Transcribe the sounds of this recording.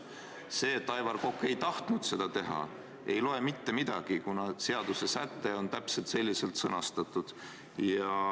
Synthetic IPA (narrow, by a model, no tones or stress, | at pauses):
se̞ːt̪ːɑjvɑrko̞kːˑe̞jt̪ɑht̪nud̪̥se̞d̪̥ɑt̪e̞ɦɑ̰ | e̞jlo̞e̞mit̪ːe̞mid̪̥ɑ̰ɡ̥ikunɑse̞ɑd̪use̞sæt̪ːe̞o̞nt̪æpse̞lt̪se̞lʲːise̞lt̪sɤ̰nɑst̪ɑt̪ːˑud̪̥ | jɑ